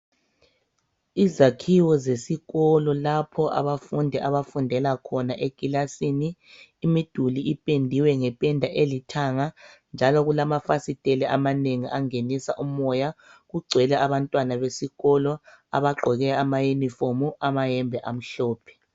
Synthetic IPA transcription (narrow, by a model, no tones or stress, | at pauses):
izakʰiwɔzesiɣɔlɔlapʰɔʔa̰βafundʱɛʔaβafundʱɛlakʰɔnaʔekʼilasiniːmid̥ʱuliʔipʼendʱiwɛŋɛpʼɛndʱaʔelitʰaŋand͡ʒʱalɔɣulamafasitʼelɛʔamaneŋiʔaŋenisa̰ʔumɔja | ɣuɡ͡ǀʱwɛlɛʔaβantʼwanaβesiɣɔlɔa̰βaɡ͡ǃʱɔɣɛamajenifomuamajɛmbʱɛʔam̩ɬɔːpʰɛ̥